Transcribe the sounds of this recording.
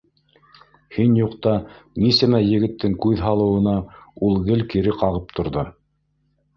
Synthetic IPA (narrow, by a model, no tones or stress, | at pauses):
hinjuqt̪ɑnisæmæjɘ̆ɣɘ̆t̪ːɘŋkʉðɦɑlˠɤ̆wɤ̆nɑulˠɡɘlkiɾɘqɑʁɤp̚t̪ʰŏɾðɤ